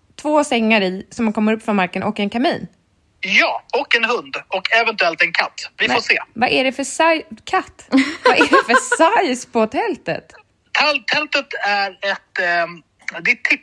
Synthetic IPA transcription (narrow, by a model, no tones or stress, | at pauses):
t̪ʰvoːsɛŋːaɾɪsɔmankʰɔmːəɾɵpːfɾɔnmaɾkənʔɔkːɛnkʰamiːn | jɑːɔkːɛnɦɵnd̪ɔkʰɛvɛnt̪ɵɛlt̪ɛnkʰat̪ːvɪfoseːvaʔæɖɛfœsajkʰat̪ːvaʔæɖɛfœsajspʰɔt̪ʰɛlt̪ə̰t̪ | t̪ʰɛlt̪ʰːɛlt̪ət̪æɾɛt̪ | d̪ɛt̪ʰːɪp